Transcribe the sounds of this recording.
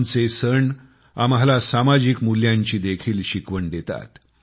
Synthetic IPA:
nt͡sesəɳ | amɦalasamad͡ʑiːkmuljãɲt͡ɕiːd̪ekʰiːlɕikʋəɳɖ̪et̪a̰t̪

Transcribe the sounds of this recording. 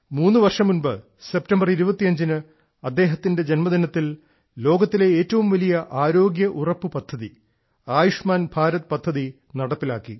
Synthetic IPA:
muːnːɨʋɐrʂɐmːunbɨ | se̞p̚tɐmbɐriɾubɐt̪ːiɐɲd͡ʑinɨ | ɐd̪ːe̞ːɦɐt̪ːinde̞d͡ʑenmɐd̪ʱinɐt̪ːil | lo̞ːɡɐt̪ːile̞eːtːɐʋumʋɐlijɐʔaːɾo̞ːɡjɐʔurɐpːɨpɐd̪ʱːɐði | aːjuʂmaːnbʱaːɾɐt̪pɐd̪ʱːɐði | nɐɽɐpːilaːkːḭ

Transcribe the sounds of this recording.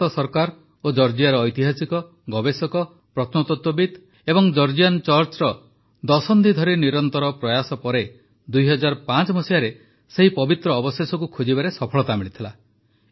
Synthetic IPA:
ɔsɔɾkaɾ | od͡ʒɔɾd͡ʒiaɾɔːjt̪iɦasikɔ | ɡɔbesɔkɔ | pɾɔt̪ʰnɔt̪ɔt̪wɔbid̪ | ebɔŋd͡ʒɔɾd͡ʒiant͡ʃɔɾt͡ʃɾɔ | d̪ɔsɔnd̪ʱid̪ʱɔɾiniɾɔnt̪ɔɾɔpɾɔjasɔpɔɾe | d̪ujɦɔd͡ʒaɾpat͡ʃɔmɔsijaɾe | seɦipɔbit̪ɾɔːbɔsesɔkukʰud͡ʒibaɾesɔpʰɔɭɔt̪amiɭit̪ʰila

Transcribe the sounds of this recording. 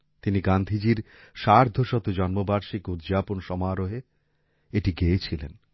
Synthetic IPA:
t̪iniɡand̪ʱid͡ʑiɾ | ʃaɾd̪ʱoʃɔt̪od͡ʑɔnmobaɾʃikud̪d͡ʑaponʃɔmaːɾoɦe | eʈiɡeet͡ɕʰilḛn

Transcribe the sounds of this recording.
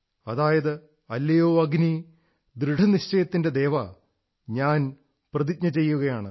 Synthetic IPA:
ɐðaːjɐðɨ | ɐlːɐjoːɐɡni | d̪ɾɨɖɐniɕt͡ɕɐjɐt̪ːinde̞d̪e̞ːʋɐ | ɲaːn | prɐðit̚ɲɐt͡ɕe̞jːuɣɐjaːɳɨ

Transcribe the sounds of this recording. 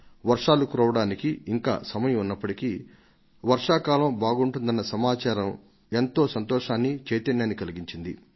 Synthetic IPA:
ʋɐɾʂaːlukuɾɐʋɐɽaːnikiiŋka̰ːsɐmɐjɐmunːɐpːɐʈiki | ʋɐɾʂaːkaːlɐmbaːɡuɳʈund̪ɐnːɐsɐmaːt͡ʃaːɾɐm | e̞nt̪o̞ːsɐnt̪ɔːʂaːnːit͡ʃeːjt̪ɐnjaːnːikɐliɡiɲt͡ʃind̪ḭ

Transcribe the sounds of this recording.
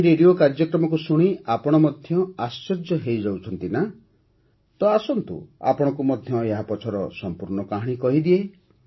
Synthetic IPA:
ɾeɖiokaɾd͡ʒɔkɾɔmɔk̬usuɽ̃iapɔɽ̃ɔmɔd̪ʱjɔasːeɾd͡ʒɔɦejd͡ʒawt͡ʃʰɔnt̪ina | t̪ɔasɔnt̪ṵa̰pɔɽ̃ɔkumɔd̪ʱjɔeɦapɔt͡ʃʰɔɾɔsɔmpuɾɳɔkaɦɽ̃ikɔɦid̪ie

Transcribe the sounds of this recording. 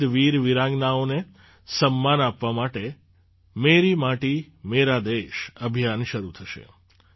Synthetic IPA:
ʋiɾʋiɾãŋɡnaone | səmːanapʋamaʈe | meɾimaʈi | meɾad̪eʃəbʱijanʃəɾut̪ʰəʃḛ

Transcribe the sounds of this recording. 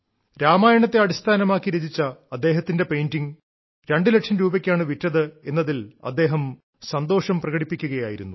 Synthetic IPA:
ɾaːmaːjɐɳɐt̪ːeɐɽist̪ʰaːnɐmaːkːiɾed͡ʑit͡ɕːɐːd̪ːe̞ːɦɐt̪ːinde̞pe̞jndiŋ | ɾeɳɖɨle̞ʈʂɐnmɾuːbɐkʲːaːɳɨʋitːɐðɨe̞nːɐðilɐ̰d̪ːe̞ːɦɐm | sɐnd̪o̞ːʂɐmprɐɣɐɽipːikʲːuɣɐjaːjiɾunːu

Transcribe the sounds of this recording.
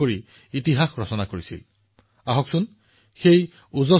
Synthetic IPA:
oɹi | itiɦaxɹɔsɔnakoɹisḭl | aɦɔksun | xej | uzɔ

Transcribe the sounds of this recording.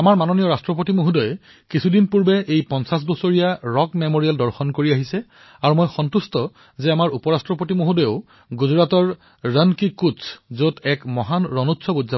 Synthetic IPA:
amaɹmanonijɔɹastɹɔpotimoɦudɔjɛ | kisʰudinpuɹbɛʔejpɔnsas̬bɔsoɹijaɹɔkmemoɹialdɔɹxɔnkoɹiaɦisɛ | aɹumojxɔntustɔ | zɛamaɹupɔɹastɹɔpotimoɦudɔjoʊ | ɡuzɹatɔɹ | ɹənkikutszotɛkmɔɦanɹɔnutːsʰɔbud͡ʒza

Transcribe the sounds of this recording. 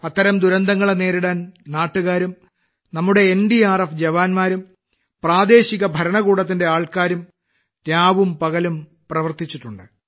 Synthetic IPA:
ɐt̪ːɐɾɐmd̪uɾɐnd̪ʱɐŋːɐɭene̞ːɾiɽaːnnaːʈːuɣaːɾum | nɐmːuɽe̞ːnɖiaːrɐfd͡ʑɐʋaːnmaːɾum | praːd̪e̞ːɕiɣɐbʱɐɾɐɳɐɣuːɽɐt̪̬ːinde̞aːɭkaːɾum | tjaːʋumpɐɣɐlum | prɐʋɐrt̪it͡ɕːiʈːuɳɖɨ

